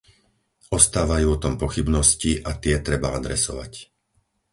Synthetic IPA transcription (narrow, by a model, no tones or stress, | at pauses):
ɔst̪aːʋajuːɔt̪ɔmpɔxibnɔsciʔat̪ɪɛt̪ɾɛbaad̪ɾɛsɔ̰ʋa̰c